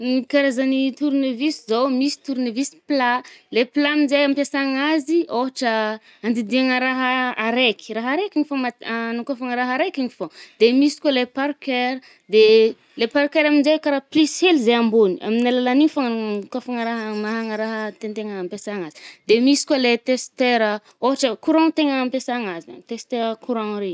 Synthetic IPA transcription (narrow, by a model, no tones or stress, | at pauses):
nikaɾezanit̪uɾunevisizowmisi̥t̪uɾunevisi̥plaleplaminzejampjasaŋazioɦaʈ͡ʂə | and̪id̪iaŋəɾaɦaaɾekʲi̥ɾaɦaɾekʲiɲifomanukafaŋəɾaɦaɾekiŋifod̪emisi̥kwalepaɾkeɾ | d̪e | lepaɾkeɾaminzejkaɾaplishelizejambunia̰minalalanifaŋnukafaŋəɾaɦmaɦaŋəɾaɦət̪ent̪eŋəampesaŋazi̥d̪emisi̥kwalet̪est̪eɾə | oɦaʈ͡ʂəkuɾãŋt̪eŋəampesaŋazia̰t̪est̪eɾəkʰuɾãŋɾe